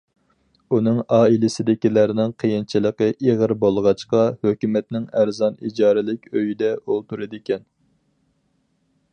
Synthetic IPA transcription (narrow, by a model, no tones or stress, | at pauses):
unɨŋɑːilɪsɪd̪ɪkʲilæɾnɪŋqʰejint͡ʃʰilˠəqəʔeʁəɾbolˠʁɑt͡ʃqɑhøkʲymɛt̪nɪŋæɾzɑnid͡ʒɑːɾɪlɪkʲøjid̪ɛʔolˠt̪uɾɨd̪ɪkʲɛn